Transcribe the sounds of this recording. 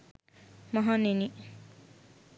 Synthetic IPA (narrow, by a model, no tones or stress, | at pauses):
mʌɦaneni